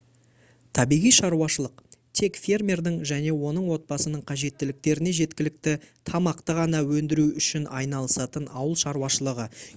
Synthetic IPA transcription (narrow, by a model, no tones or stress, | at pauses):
t̪ʰɑbijʁijʃɑɾuɑʃəlˠəqt̪ʰe̞kfʲe̞rmʲerd̪ɪŋʒæne̞wo̞nəɴwo̞t̪̚bɑsənəɴqʰɑʒe̞t̪ːɪlɪk̚t̪e̞ɾɪne̞ʒe̞t̪kʲɪlɪk̚t̪ɪt̪ʰɑmɑqt̪əʁɑnɑwɵnd̪ɪɾuʏʃɪnɑjn̪ɑlˠəsɑt̪ənɑwəlˠʃɑɾuɑʃəlˠəʁə